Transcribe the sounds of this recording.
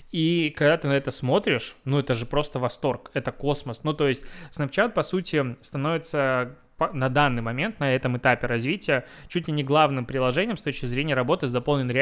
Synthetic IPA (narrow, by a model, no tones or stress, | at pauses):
ikɐɡd̪at̪ɨnɐɛt̪əsmo̞t̪ɾʲɪʂnuɛt̪əʐɨpɾo̞st̪əvɐst̪o̞rkɛt̪əko̞sməsnut̪o̞jɪsʲtʲsnɐft͡ɕat̪̚pɐsutʲɪst̪ɐno̞vʲɪt̪sə | pɐnɐd̪anːɨjmɐmʲe̞nt̪nɐɛt̪əmɨt̪apʲɪɾɐzvʲitʲɪjə | t͡ɕutʲlʲɪnʲɪɡlˠavnɨmpɾʲɪlˠɐʐɛnʲɪjmst̪o̞t͡ɕkʲɪzɾʲenʲɪjəɾɐbo̞t̪ɨzd̪ɐpolˠnʲɪnɾʲ